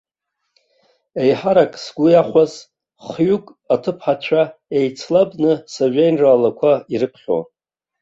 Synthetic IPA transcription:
ejħaɾakʼsɡʷʊjaχʷaz | χɥukʼ | atʰɨpʰħat͡ʃʷʰaejt͡sʰlabnɨsoʒʷᶣejnraːlakʷʰaiɾɨpʰχʲo̰

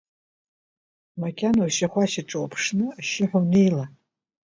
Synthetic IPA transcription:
makʲʰʼanoʃaχʷaʃaʈ͡ʂʼowapʰʂnɨaʃɪħʷᶣonejla

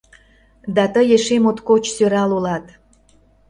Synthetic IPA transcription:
d̪ɑt̪əjeʃemot̪kot͡ɕsøɾɑlulɑt̪

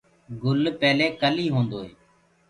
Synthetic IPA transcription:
ɡʊlpɛːleːkəliːɦõːnd̪oːeː

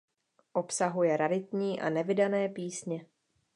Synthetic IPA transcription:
ʔo̞psaɦujɛɾadɪt̪̚ɲiːʔa̰nɛvɪdanɛːpiːsɲɛ

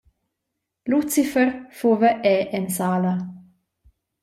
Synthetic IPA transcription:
lut͡sifərfuvəʔɛʔɛnsaːla

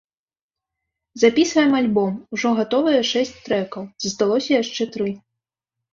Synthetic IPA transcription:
zapʲisvɐjɛmalʲbɔmuʐɔɣat̪ɔvɐjɛʂɛsʲt͡sʲt̪ɾɛkɐwzɐst̪alˠɔsʲɐjaʂt͡ʂɛt̪ɾɨ

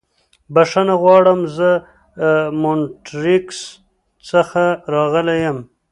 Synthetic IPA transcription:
baʂanaɣwɑɽəmzə | moɳʈɾɪks | t͡səxaɾɑɣəlajəm

